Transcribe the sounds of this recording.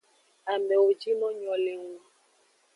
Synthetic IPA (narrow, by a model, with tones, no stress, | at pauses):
a˨mɛ˨o˨d͡ʒi˦nɔ̃˦ɲɔ̃˨le˨ŋu˦